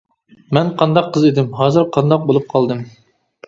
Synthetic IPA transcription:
mɛnqʰɑnd̪ɑqʰːəzed̪ɪmɦɑːzɨɾqʰɑnd̪ɑq̚bolˠup̚qʰɑlˠd̪ɨm

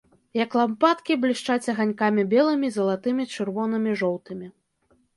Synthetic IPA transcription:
jɐklˠampat̪kʲiblʲiʂt͡ʂat͡sʲɐɣanʲkamʲibʲɛlˠɨmʲizɐlˠat̪ɨmʲit͡ʂɨrvɔnɨmʲiʐɔwt̪ɨmʲi

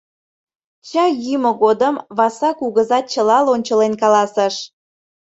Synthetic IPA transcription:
ɕɑjyməɣod̪əmβɑsɑkuɣəzɑt̪̚t͡ɕəlɑlonʲt͡ɕəlenkɑlɑsəʃ

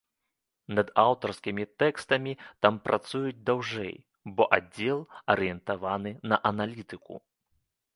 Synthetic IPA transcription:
nɐd̪awt̪ɐrskʲimʲit̪ɛkst̪ɐmʲit̪ampɾʔat̪sujud͡zʲd̪awʐɛ̰j | bɔʔad͡zʲːɛlˠɐɾɨjɛnt̪avanɨnɐʔɐnalʲit̪ɨkṵ

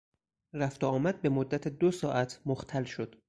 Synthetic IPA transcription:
ræft̪oɒːmæd̪̚be̞mod̪ːæt̪ʰed̪osɒːʔæt̪ʰmoxt̪ʰælʃo̞d̪̥

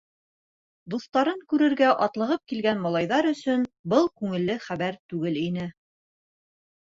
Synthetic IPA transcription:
d̪uθt̪ɑɾɤŋkʉɾɘ̆ɾɡæʔɑt̪lˠɤ̆ʁɤp̚kilɡænmɑlˠɑjðɑɾɵ̆sɵnbɤlˠkʉŋɘ̆lːɘχæβæɾt̪ʉɡɘlinɘ

